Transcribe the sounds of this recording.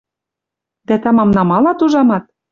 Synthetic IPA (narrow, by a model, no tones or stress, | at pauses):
d̪æt̪ɑmɑmnɑmɑlɑt̪uʒɑmɑt̪̚